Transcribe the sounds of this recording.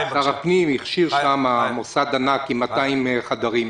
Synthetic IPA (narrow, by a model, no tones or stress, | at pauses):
saʁapnimiχʃiʁʃamamosad̪anakimat̪aimeχad̪aʁim